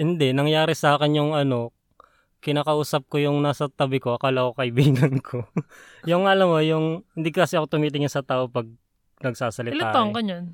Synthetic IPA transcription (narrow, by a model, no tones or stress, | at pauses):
hɪnd̪ɛnɐŋjaːɾɪsɐaːkɛnjʊŋʔɐno̞ | kɪnaːkɐʔuːsɐp̚kojʊŋnaːsɐt̪ɐbɪko̞ʔɐkaːlɐkokɐʔɪbiːɡɐnkʰo | jʊŋɐlɐmojʊŋhɪnd̪iːkokɐsɪɐkot̪ʊmiːt̪ɪŋɪnsɐt̪aːʔo̞pɐɡ̚ | nɐɡ̚saːsɐlɪtlaːoŋkɐɲɐn